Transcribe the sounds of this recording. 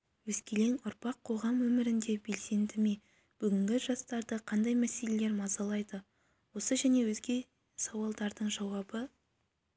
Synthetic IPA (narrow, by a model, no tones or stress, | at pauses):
wɵzkʲele̞ŋʊɾpɑqʰːo̞ʁɑmwɵmɪɾɪnd̪e̞be̞lse̞nd̪ɪme̞ | b̥ʏɡʲɪŋɡʲɪʒɑst̪ɑɾd̪əqʰɑnd̪ɑjmæse̞le̞le̞ɾmɑzɑlˠɑjd̪ə | wo̞səʒæne̞wɵzɡʲe̞ | sɑwɑlˠd̪ɑɾd̪əɴʒɑwɑbə